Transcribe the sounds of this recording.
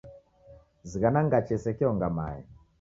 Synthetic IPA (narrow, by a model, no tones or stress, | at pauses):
ziɣanaŋɡat͡ʃɛsɛkiɔŋɡama̰ɛ̰